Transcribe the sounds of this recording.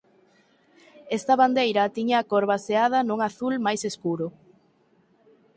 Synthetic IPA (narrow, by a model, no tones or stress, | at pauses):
est̪ɐβand̪ejɾɐt̪iɲaːkoɾβaseað̞ɐnuŋaθulmajseskuɾʊ